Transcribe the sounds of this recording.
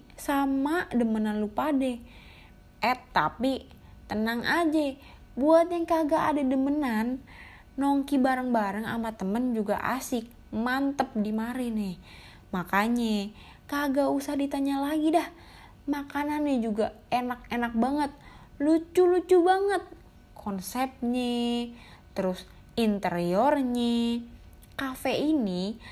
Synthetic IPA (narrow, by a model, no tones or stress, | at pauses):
samadəmənanlupadɛ | ʔɛt̪ːapi | t̪ənaŋʔad͡ʒa | buat̪̚jaŋkaɡaʔadadəmənanː | oŋkibaɾəŋbaɾəŋa̰mat̪əmənd͡ʒuɡa̰ʔa̰sɪk̚ | mant̪əp̚dimaɾɪnɪh | makaɲa | kaɡausahdit̪aɲalaɡidah | makananːɪhd͡ʒuɡa | enak̚enak̚baŋət̪̚ | lut͡ʃulut͡ʃubaŋət̪̚ | kʰɔnsɛp̚ɲe | t̪əɾʊs | int̪əɾiɔrɲe | kafeini